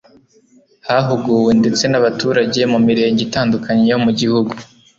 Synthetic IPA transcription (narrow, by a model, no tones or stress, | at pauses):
haɦuɡuːwende̞t͡se̞naβatuːɾaɟe̞mumiɾe̞ːɲɟitaːndukaɲejomuɟihuɡu